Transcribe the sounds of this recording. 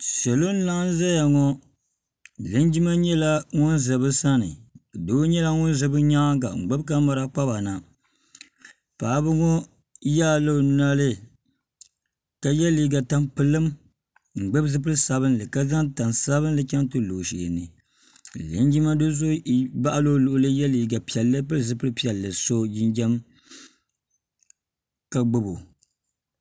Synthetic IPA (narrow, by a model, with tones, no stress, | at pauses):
ʃɛ˨lo˦n˦la˦ŋ˦za˦ja˨ŋɔ˦ | lɨ˨˦n˦d͡ʒi˦ma˦ɲɛ˦la˦ŋʊ˦nzɨ˨bɨ˦sa˦nɨ̰˨do˦ɲɛ˦la˦ŋʊ˦n˦zɨ˨bɨ˦ɲa˦ɡa̰˨ŋ͡m̩˨ɡ͡bɛ˦bka˦ma˦ɾa˦k͡pa˦ba˨na˨ | pa˨˦bɨ˦ŋɔ˦ | jaː˦˨lo˦˨na˦lɨ˦ | ka˨jɛ˦liː˦ɡa˨ta˦mpɨ˦lːɨ˦m | ŋ͡m̩˨ɡ͡bɛ˦bzɨ˦p̬ɨ˦ɾɨ˦sa˨βɨ˦nlɨ˨ka˦za˦ŋta˨nsa˦βɨ˦nlɨ˦t͡ʃa˦ntɨ˦˨lo˨ʃḭː˨nɨ˨ | lɨ˨˦n˦d͡ʒi˦ma˦dɨ˦zʊ˦ba˦ʔa˦lo˦lʊ˨ʔʊ˦lɨ˦jɛ˦li˨ɡa˨pi˨ɛ˨lːɨ˦p̬ɨ˦ɾzɨ˨pɨ˦ɾɨ˦pi˦ɛ˨lːɨ˨so˦jɪ˦nd͡ʒɛ˦m | ka˨ɡ͡bɨ˦bo˨